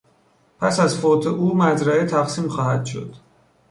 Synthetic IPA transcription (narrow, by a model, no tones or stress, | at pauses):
pʰæsæzfoːt̪ʰeʔuːmæd͡ʒɾæet̪ʰæɡsiːmxɒːhæd̪̥ʃo̞̰d̪̥